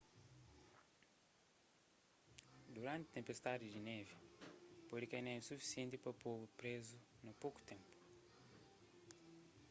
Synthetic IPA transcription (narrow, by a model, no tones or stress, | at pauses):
d̪uɾãnt̪ɪt̪ẽmpest̪ad̪ɪd͡ʒinɛvipoɾikejnɛ̃sufi̥siẽnt̪ipɐpovupɾezu | nɐpowku̥t̪ẽmpu̥